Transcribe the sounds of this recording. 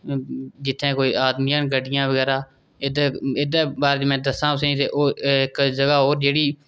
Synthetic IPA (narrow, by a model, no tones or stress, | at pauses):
d͡ʒɪt̪ʰːẽːkoːiːaːd̪mijãːnɡəɖɪjãːʋəɡɛːɾaː | ɪd̪ːɪd̪ebaːɾd͡ʒmɛ̃ːd̪əsãːʊseĩːt̪eːʔoːɪkd͡ʒəɡaːɦoːɾd͡ʒeːɽiː